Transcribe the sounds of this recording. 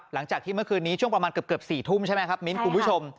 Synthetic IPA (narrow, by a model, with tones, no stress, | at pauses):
la˩˦ŋt͡ɕaː˨˩k̚t̪iː˥˩mɯ˥˩kʰɯː˧nːiː˦t͡ɕʰu˥˩əŋpɾa˧maː˧nkɯ˨˩p̚kɯ˨˩p̚siː˨˩t̪ʰu˥˩mt͡ɕʰa˥˩jm˦jkʰa˦˥p̚mi˦˥nkʰu˧npʰt͡ɕʰo˧m